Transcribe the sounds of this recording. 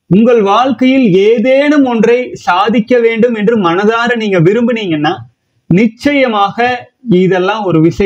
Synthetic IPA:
ʊŋɡɐɭʋaːɻkɐjɪleːðeːnɯmɔndrɐɪsaːðɪkːɐʋeːɳɖɯmɛndrɯmɐnɐðaːɾɐniːŋɡɐʋɪɾɯmbɯniːŋɡɐnːaː | nɪt͡ʃːɐjɐmaːɣɐɪðɛlːãːmɔɾɯʋɪʂɐ

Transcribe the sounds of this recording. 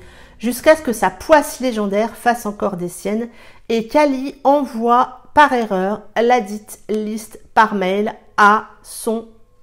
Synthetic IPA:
ʒyskʲaskəsapwasleʒɑ̃d̪ɛʁfasɑ̃kɔʁd̪esjɛnekʲaliɑ̃vwapaʁeʁœːʁlad̪it̪list̪paʁmɛjl | a | sɔ̃

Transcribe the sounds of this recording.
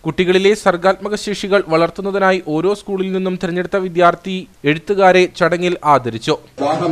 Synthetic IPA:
kuʈːiɣɐɭile̞sɐrɡaːt̪̚mɐɣɐɕiʂiɣɐɭʋɐɭɐrt̪unːɐðinaːjiʔo̞ːɾo̞ːskuːɭilninːumt̪iɾɐɲːe̞ɽut̪ːɐʋid̪jaːrt̪ʰieɽut̪ːuɣaːɾe̞t͡ɕɐɽɐŋːilaːd̪ʱɐɾit͡ɕːu

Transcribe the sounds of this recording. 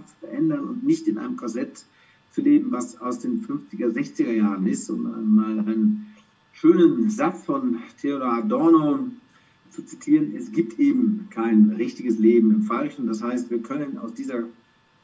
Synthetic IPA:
t͡su̥fɛɐʔɛndɐnʊ̰ntnɪçtɪnʔa̰ɪnəmkʰazɛt | t͡suleːbm̩vasaʊsd̥eːnfʏnft͡sɪɡɐzɛçt͡sɪɡɐjaːʁənɪstʊ̰ma̰ɪnmaːlaɪnən | ʃøːnənzat͡sfɔntʰeoladɔɐno | t͡sut͡sitʰiːʁənʔɛsɡ̥iːp̚tʰʔeːbm̩kʰaɪnʁɪçtɪɡəsleːbm̩ɪmfalʃn̩d̥ashaɪstv̥iːɐkʰœnəna̰ʊsd̥iːzɐ

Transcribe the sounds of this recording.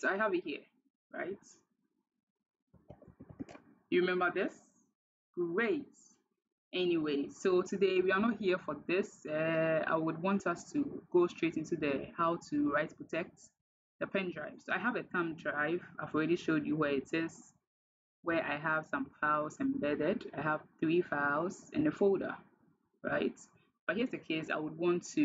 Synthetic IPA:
soaɪəvɨthiə | ɹa̰ɪt | jɨɹimɛ̃mbə˞ðɪs | ɡ̥ɹeɪt | ʔɛniweɪsotʰɨdeɪwiənɔt̚hiəfɔðɪsɛa̰ɪwədwɔ̃ntʰʌstʰuɡ̥ostʰɹ̥etɪ̃ntuðəhaʊtʰuɹaɪtpʰɹ̥ətʰɛk̚t | ðəpʰɛ̃ndɹaɪv̥soʊaɪɦəvɨtʰãmdɹaɪvaɪvɔlˠɹɛɾiʃoʊd͡ʒjɨwɛɪtɪz̥ | wɛʔaɪəv̥sʌ̃mfaʊzɨ̃mbɛdɪdaɪəv̥θɹifaʊzɨ̰̃nəfoldə̰˞ | ɹa̰ɪt | b̥ʌt̚hiəzðɨkʰeɪsa̰ɪwəd̚wɔ̃ntʰːɨ

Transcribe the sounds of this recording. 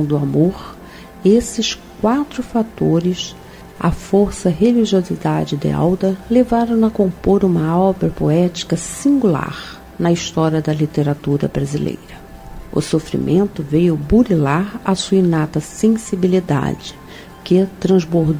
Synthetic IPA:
w̃d̪ʊamoɾ | esɪskwat̪ɾʊfat̪oɾɪs | ɐ̰foɾsɐɦeliʒiozid̪ad͡ʒɪd̪ɪ̰a̰wd̪ɐlevaɾɐ̃w̃ɐkõmpoɾũmɐɔbɾɐpoɛt͡ʃi̥kɐsĩŋɡula̰ɾ | nɐist̪ɔɾiɐd̪ɐlit̪eɾat̪uɾɐ̰bɾazilḛjɾɐ | ʊ̰sofɾḭmʔẽnt̪ʊvejʊbuɾilaɾɐsuinat̪ɐsẽsibilid̪a̰d͡ʒɪ̥ | kɪt̪ɾɐ̃zboɾd̪

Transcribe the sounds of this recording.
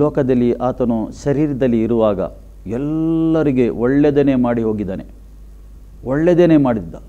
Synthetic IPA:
ɔːkɐd̪ɐlːiʔaːt̪ɐnuʃɐɾiːɾɐd̪ɐlːiːɾuʋaːɡɐ̰ | ɛlːɐɾiɡe̞ʔɔɭːed̪eːneːmaːɽiɦo̞ːɡid̪aːne̞̰ | oɭːed̪eːne̞ːmaːɽid̪ːa

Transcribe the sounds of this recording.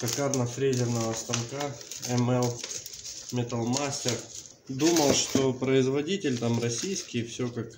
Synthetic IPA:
kɐkarnəfɾʲezʲɪrnəvəst̪ɐmkaɛmɛlˠ | mʲɪt̪ɐlˠmasʲtʲɪr | d̪uməlˠʂt̪opɾəɪzvɐdʲitʲɪlʲt̪amrɐsʲijskʲɪjfsʲɵkak

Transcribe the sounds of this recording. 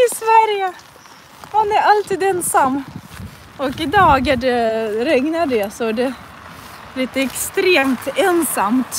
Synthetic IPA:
ɪsvæɾjə | manæɾalt̪iːd̪ɛnsamː | ɔkɪd̪ɑːɡaɖɛɾɛŋnaɖɛsɔæɖɛ | liːt̪əɛkst̪ɾeːmt̪ɛnsamt̪

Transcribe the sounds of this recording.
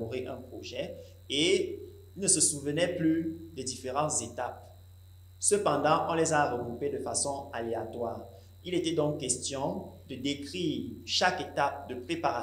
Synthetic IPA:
ɔʁeʔɛ̃pχoʒɛ | e | nəsəsuvənɛplyd̪ɛd̪ifeʁɑ̃t̪zet̪ap̚ | səpɑ̃d̪ɑ̃ʔɔ̃lɛzaʁəɡʁuped̪əfasɔ̃aleat̪waːʁ | ilet̪ɛd̪ɔ̃ŋkːɛst̪jɔ̃d̪əd̪ekχiːʁʃaket̪ap̚d̪əpχepaʁa

